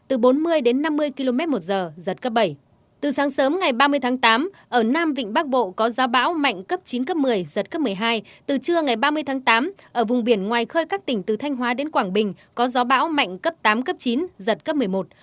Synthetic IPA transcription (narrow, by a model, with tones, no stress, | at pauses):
t̪ɨ˨˩ɓo˨˦nmɨ˧əjɗe˨˦nːa˧mːɨ˧əjki˧lo˧mɛ˦˥t̚mo˨˩t̚zəː˨˩zə˨˩t̚kə˦˥p̚ɓə˧˩j | t̪ɨ˨˩saː˨˦ŋsəː˨˦mŋa˨˩jɓaː˧mɨ˧əjt̪ʰaː˨˦ŋt̪aː˨˦mʔəː˧˩naː˧mvḭ˧˨ŋ̟ɓaː˦˥k̚ɓo̰˧˨kɔ˨˦zɔ˨˦ɓa̰ː˧˦˥wma̰˧˨jŋ̟kə˦˥p̚t͡ɕi˨˦nkə˦˥p̚mɨ˨˩əjzə˨˩t̚kə˦˥pm˨˩əjɦaː˧jt̪ɨ˨˩t͡ɕɨ˧əŋa˨˩jɓaː˧mɨ˧əjt̪ʰaː˨˦ŋt̪aː˨˦mʔəː˧˩vʊ˨˩ŋ͡mɓi˧˩ənŋwaː˨˩jxəː˧jkaː˦˥k̚t̪ï˧˩ŋ̟t̪ɨ˨˩t̪ʰa˧jŋ̟ɦwaː˨˦ɗe˨˦nkwaː˧˩ŋɓï˨˩ŋ̟ | kɔ˨˦zɔ˨˦ɓa̰ː˧˥wma̰˧˨jŋ̟kə˦˥p̚t̪aː˨˦mkə˦˥p̚t͡ɕi˨˦nzə˨˩t̚kə˦˥p̚mɨ˨˩əjmo˨˩t̚